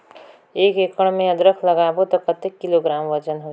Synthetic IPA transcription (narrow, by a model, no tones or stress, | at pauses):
eːkekəɽ̃mẽəd̪ɾəkʰləɡabot̪əkət̪ekːiloɡɾaːmʋət͡ʃənɦo